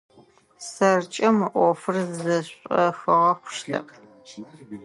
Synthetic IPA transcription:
sɐrt͡ʃʼɐmʔʷɔfɨrzzɐɕʷʼɐxɨʁɐχʷʊ̥ʃɬɐ̰pʰ

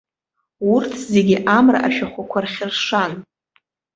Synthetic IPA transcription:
urtʰze̞ɡʲiʔamra̰ʔaʃᶣaχʷakʷʰarχʲɪrʂan

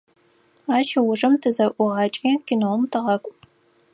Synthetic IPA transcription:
aːʃɐwʊʐɨmtʰɨzɐʔʷʊʁɑːt͡ʃʼiːkʲʰinowmtʰɨʁɐkʷʼ

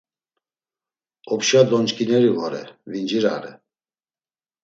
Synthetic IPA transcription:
ɔpʃad̪ɔnt͡ʃkʼinɛɾivɔɾɛ̰vind͡ʒiɾa̰ɾɛ̰

